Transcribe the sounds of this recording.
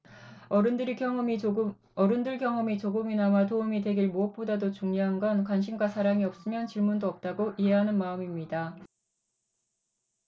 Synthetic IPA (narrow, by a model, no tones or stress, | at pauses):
ʌɾɯndɯɾʌ | ʌɾɯndɯɭɡjʌŋʌmit͡ɕoɡɯminamatoumidwe̞ɡiɭmoʌp̚p͈odadot͡ɕuŋɲoɦanɡʌnkwanɕʰimɡwasʰaɾaŋiʌp̚s͈ɯmjʌnt͡ɕiɭmundoʌp̚t͈aɡoʔiɦe̞ɦanɯnmaɯmimɲida